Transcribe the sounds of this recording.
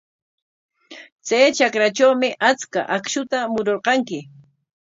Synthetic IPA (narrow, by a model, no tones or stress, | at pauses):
t͡sajt͡ʃakɾat͡ʃawmɪʔat͡ska̰ʔakʃʊt̪amʊɾoɾqɑŋkɪ